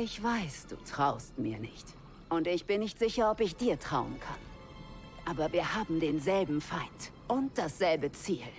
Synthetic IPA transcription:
ʔɪçv̥aɪsd̥ṵːtʁ̥aʊst̚mḭːɐnɪçt | ʔʊntɪçb̥ɪnːɪçtz̥ɪçɐɔpɪçd̥iːɐtʁ̥aʊə̰nkʰa̰n | ʔaːbɐviːɐhaːbm̩deːnzɛlbm̩faɪnt | ʔʊnt̚d̥asz̥ɛlbət͡siːl

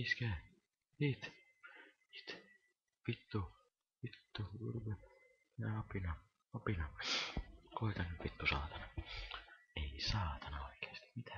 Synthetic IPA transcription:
iːskæː | niːt̪ | i̥ːt̪ | pit̪ːu | pit̪ːuṵrwe | jɑɑpinɑ | ɑpinɑ | koit̪ɑnypit̪ːusɑ̰ːt̪ɑnɑ | eisɑːt̪ɑnɑoikeːst̪i̥mit̪ʰæ̥

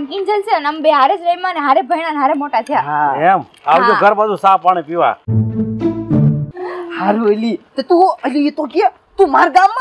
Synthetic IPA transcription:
mkind͡ʒəlseənəmbeɦaɾed͡ʒɾəimãneɦaɾebʱəjɽ̃anɦaɾemoʈat̪ʰijaɦaem | awd͡ʒoɡʱəɾbad̪ũsãpaɽ̃ipiʋa̰ | haɾuəlit̪et̪ũəliet̪okie | t̪ũmaɾɡamːã

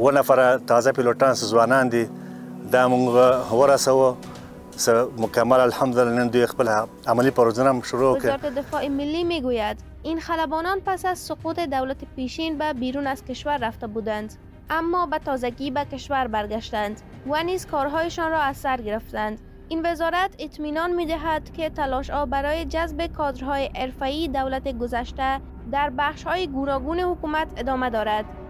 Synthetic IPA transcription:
wonafaɾat̪ɑzapiloʈɑnsəzwɑnɑnd̪i | d̪ɑmuŋɡawəɾasawo | səmʊkamːalalhamd̪ʊlɪlanənd̪ujexpəla | amalipaɾozunamʃʊɾowɪkeɔɾat̪ed̪ɪfɔemɪlːimeɡojad̪ | inxalabɔnɔnpasazsʊqut̪ed̪awlat̪epeʃinbabiɾunaz̥kɪʃwaɾːaft̪abud̪and̪ | amːɔbat̪ɒzaɡibakeʃwaɾbaɾɡaʃt̪and̪ | vanizkɔɾɦɔjeʃɔnɾɔasːaɾɡɪɾɪft̪and̪ | invɪzɒɾat̪ɪt̪minɔnmed̪ɪɦad̪ket̪alɔʃhɔbaɾɔjed͡ʒazbekʰɔd̪ɾɦɔjeʔeɾfaid̪awlat̪eɡʊzaʃt̪a | d̪aɾbaχʃhɔjeɡunɒɡunehʊkumat̪ɪd̪ɒmad̪ɒɾad̪

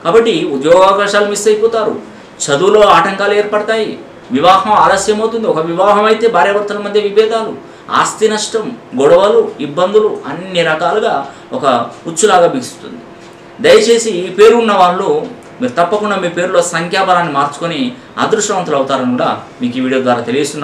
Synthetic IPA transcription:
kaːbɐʈːiud̪jɔːɡaːkaːʂaːlumisɐjpɔːt̪aːɾṵ | t͡ʃɐd̪ulo̞ːaːʈɐŋkaːlueːɾpɐɽɐt̪aːjḭ | ʋiʋaːɦɐmaːd̪ɐsjɐmɐwt̪und̪iɔkɐʋiʋaːɦɐmɐjt̪e̞ːbʱaːɾjɐʋɐɾt̪ːɐlɐmɐd̪jɐʋibɛːd̪aːlu | a̰ːst̪inɐʂʈɐmɡɔɽɐʋɐluibːɐnd̪uluɐnːiɾɐkaːluɡaː | ɔkɐut͡ʃːulaːɡaːbiksu̥st̪und̪i | d̪ɐjɐt͡ʃe̞ːsiːpeːɾuunːɐʋaːɽloː | miːɾut̪ɐpːɐkuɳɖaːmiːupe̞ːɾulo̞ːsɐŋkʰjaːpɐɾaːnːimaːɾt͡ʃu̥koni | a̰ːd̪ɾuʂʈɐʋɐnt̪ɐlɐwut̪aːɾɐnikuːɽaː | miːkiːʋiːɽijo̞ːd̪ʋaːɾaːt̪elijist̪unːaː

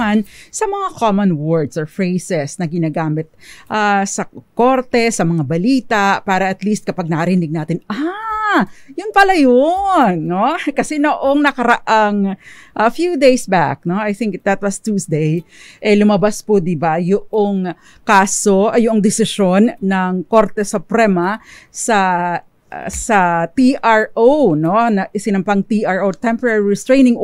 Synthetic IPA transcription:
ansɐmɐŋakomɐnwɔɹd̪sofɹejsɛsnɐɡɪnaːɡaːmɪt̪̚ʔasɐkoɾt̪ɛsɐmɐŋabɐliːt̪apaːɾɐʔɐt̪list̪̚kɐpaɡ̚nɐkɐɾɪnɪɡ̚naːt̪ɪnʔa | jʊnpɐlajonːokɐsɛnoʔoŋnɐkɐɾɐʔaŋʔɐfjud̪ejsba̰k̚no̞ajθɪŋkd̪ɐt̪̚wɐst̪usd̪ej | ʔɛlʊmɐbaspod̪ɪbajʊʔoŋ | kaːsoʔjʊʔoŋd̪ɪsɪʃo̞nːɐŋko̞ɾt̪ɛsʊpɾɛmɐsɐ̰ | sɐt̪iʔaɹʔowno̞nɐʔɪsɪnɐmpaŋt̪iʔaɹʔot̪ɛmpɔɾaɹiɹɪst̪ɹejnɪŋ

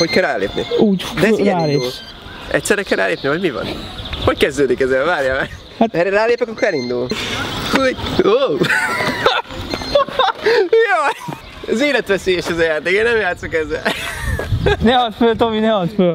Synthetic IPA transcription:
ho̞ckɛlraːlḛːpnḭuːd̪ɛɛzaːleu | ʔɛ̰ct̪sɛɾɛkɛrra̰ːleːpnivɒɟmivɒ̰nhockɛzd̪øːd̪ikɛzɛlvaːɾjaːmɛ | atɛraːleːpɛkɒkːoɾɛlind̪ul | o | jo | ɛzeːlɛt̪ʋɛseːjɛʃɛzɐjaːt̪eːkeːnɛmjaːt̪sokɛzɛ̰l | nɛɔzføt̪ominɛɔtfø

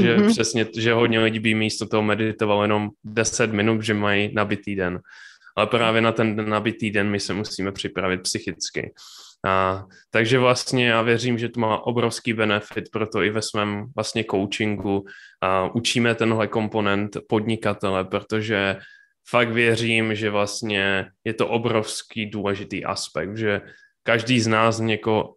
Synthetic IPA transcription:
ʒɛpʂɛsɲɛʒɛɦod̪ɲɛlɪɟiːbimist̪ot̪oɦomɛdɪt̪ovaljɛno̞mdɛsɛt̪mɪnut̪ʒɛmajinabɪt̪iːdɛnʔalɛpɾaːvjɛnat̪ɛndɛnːabɪt̪iːdɛnmɪsɛmussiːmɛpr̝̥ɪpɾavɪt̪̚psɪxɪt͡skɪ̰ | t̪aɡʒɛvlast̪ɲɛjaːvjɛriːmʒɛt̪umaːʔo̞bɾo̞fskiːbɛnɛfɪt̪pɾo̞t̪o̞ɪvɛsmɛːmvlast̪ɲɛko̞wt͡ʃɪŋɡu | ʔut͡ʃiːmɛt̪ɛnɦlɛko̞mpo̞nɛnt̪po̞d̪ɲɪkat̪ɛlɛpɾot̪o̞ʒɛ | fak̚t̪vjɛr̝iːmʒɛvlast̪ɲɛjɛt̪o̞ʔo̞bɾo̞fskiːduːlɛʒɪt̪ḭːʔa̰spɛ̰k̚t̪ʒɛ | kaʒdiːznaːsɲɛko

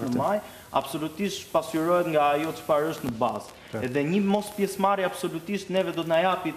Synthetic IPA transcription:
nəmaj | a̰bsɔlut̪iʃt̪pasyɾɔɛt̪ŋɡaːjɔt͡ʃə̥faɾəʃt̪nəbaz | ɛðɛɲəmɔspjɛsmaɾiab̥sɔlut̪iʃt̪nɛvɛd̪ɔt̪najapi

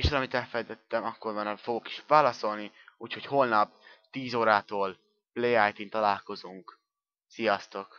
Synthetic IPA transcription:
eːʃɒlɒmit̪ɛlfɛjt̪ɛt̪ːɛmɒkːormɒnɒfo̞ɡoki̥ʃvaːlɒso̞lniuːcho̞choːlnɒp | t̪iːzoːɾaːt̪oːl | plejaːjt̪int̪ɒlaːlko̞zuŋk | sijɒst̪o̞k

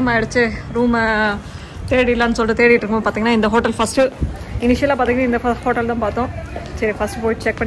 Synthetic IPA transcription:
ɐmaːɪɽɯt͡ʃːɯɾuːm | t̪eːɽɪɪlːaːnːɯsɔlʈːɯt̪eːɽɪɪʈːɾɯkːɐmːpːaːɾt̪iŋɡɐnːaːɪnd̪ɐɦoːʈɐlfɐsʈɯ | ɪnɪʂɪjɐlːaːp̬aːt̪iŋɡɐnaːɪnd̪ɐɐhoːʈːɐlt̪ãːpaːɾt̪õːsɐɾifɐsʈɯpoːjʈt͡ʃɛk̚pɐɳ

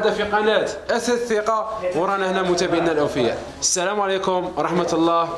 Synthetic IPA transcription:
d̪æfiqɑnæt̪ʔæθæθiqɑwɾˤɑnəhnæmʊt̪æbəʕənælʔæwfəjːæ̰ | ʔəsːælæmʕlikʊmwɾˤɑħmət̪lˤːɑh

